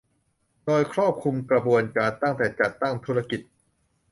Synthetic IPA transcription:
doː˧jkʰɾɔː˥˩p̚kʰu˧mkɾa˧bu˧ənkaː˧nt̪a˥˩ŋt̪ɛː˨˩t͡ɕa˨˩t̪ːa˥˩ŋt̪ʰu˦˥ɾa˧ki˨˩t̪̚

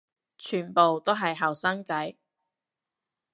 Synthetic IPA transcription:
t͡ʃʰyː˨˩npo˨wt̪o˥ɦɐ˨jɦɐ˨˩wsɐ˥ŋt͡sɐ˨˥j

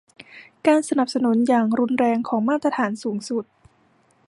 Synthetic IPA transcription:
kaː˧nsa˧na˨˩p̚sa˧nu˩˦njaː˨˩ŋɾu˧nɾɛː˧ŋkʰɔː˩˦ŋmaː˥˩t̪ɾa˧t̪ʰaː˩˦nsuː˩˦ŋsu˨˩t̪̚

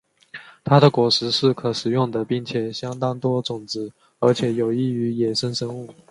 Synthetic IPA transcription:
t̪ʰa˥d̪ə˨kwɔ˧˥ʂɻ̩˧˥ʂɻ̩˥˩kʰɤ˨˩ʂɻ̩˨˩jʊ˥˩ŋd̪ə˩pi˥˩ŋt͡ɕʰjɛ˨˩ɕjɑ˥ŋt̪ɑ˥ŋt̪wɔ˥t͡sʊ˨˩ŋt͡sɻ̩˧˥ | ə˞˧˥t͡ɕʰjɛ˨˩jo˨˩ʊi˥˩y˧˥jɛ˨˩ʂə˥ŋʂə˥ŋuu˥˩

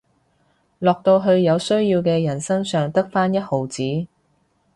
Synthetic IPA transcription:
lɔː˨k̚t̪o˧wɦɵ˧ɥjɐ˨˧wsɵ˥ɥjiː˧wkɛː˧jɐ˨˩nsɐ˥ŋsœː˨ŋt̪ɐ˥k̚faː˥njɐ˥t̚ho˨wt͡siː˨˥

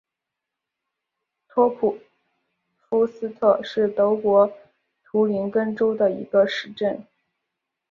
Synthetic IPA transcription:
t̪ʰɔ˥pʰu˨˩ | fu˥sɹ̩˥t̪ʰɤ˥˧ʂɻ̩˥˩t̪ɤ˧˥ʊkwɔ˧˥ | t̪ʰu˧˥li˧˥nkə˥nʈ͡ʂo˥ʊd̪ə˨ḭ˧˥ɡə˧ʂɻ̩˥˧ʈ͡ʂə˥˩n

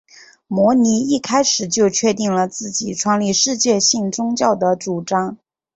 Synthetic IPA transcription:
mwɔ˧˥ni˧˥i˥˩kʰa˥ɪʂɻ̩˨˩t͡ɕjo˥˧ʊt͡ɕʰɥɛ˥˧t̪i˥˩ŋlə˩t͡sɹ̩˥˩t͡ɕi˨˩ʈ͡ʂʰwɑ˥˧ŋli˥˧ʂɻ̩˥˧t͡ɕjɛ˥˧ɕi˥˩ŋt͡sʊ˥ŋt͡ɕjɑ˥˩ʊd̪ə˩t͡su˨˩ʈ͡ʂɑ˥ŋ

